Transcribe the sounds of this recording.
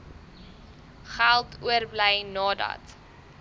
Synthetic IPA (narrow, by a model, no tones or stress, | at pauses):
χælˠtʰuərblɛjnɑːdɐ̰t